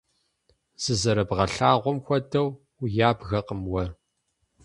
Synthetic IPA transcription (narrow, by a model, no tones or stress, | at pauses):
z̥ɨzɐɾɐbʁɐɬaːʁʷɔmxʷɐdɐw | jaːbɣɐqəmwɐ